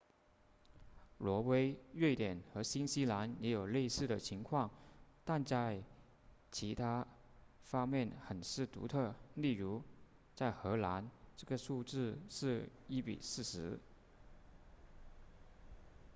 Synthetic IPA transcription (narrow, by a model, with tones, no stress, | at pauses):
lwɔ˧˥we˥ɪɥɛ˥˩ɪt̪jɛ˨˩nxɤ˧˥ɕi˥nɕi˥la˧˥njɛ˧˥jo˨˩ʊle˥˧ɪsɹ̩˥˩d̪ə˩t͡ɕʰi˧˥ŋkʰwɑ˥˩ŋt̪a˥˧nt͡sa˥˩ɪ | t͡ɕʰi˧˥t̪ʰa˥ | fɑ˥ŋmjɛ˥˩nxə˨˩nʂɻ̩˥˩t̪ṵ˧˥t̪ʰɤ˥˧li˥˩ɻu˧˥ | t͡sa˥˩ɪxɤ˧˥la˧˥nʈ͡ʂɤ˥˩ɡə˩ʂu˥˧ʈ͡ʂɻ̩˥˧ʂɻ̩˥˧ | i˥pḭ˨˩sɹ̩˥˩ʂɻ̩˧˥